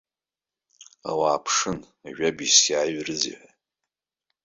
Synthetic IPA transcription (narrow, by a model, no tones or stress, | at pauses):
a̰waːpʰʂɨn | aʒᶣabisjaːɥrɨzḭħʷa